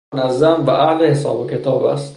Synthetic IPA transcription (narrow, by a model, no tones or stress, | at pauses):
næzːæmvæʔahlehesɒ̰ːbekʰe̞t̪ʰɒːbæ̰st̪